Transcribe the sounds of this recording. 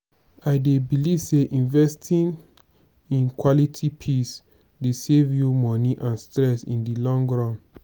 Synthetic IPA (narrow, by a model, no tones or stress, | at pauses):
aɪdebiliv̥seʔĩnvɛstʰĩn | ĩnkwɔlitʰipʰis | desevjumɔniʔãnstɹɛsḭ̃ndilɔ̃ŋɡɹɔ̃n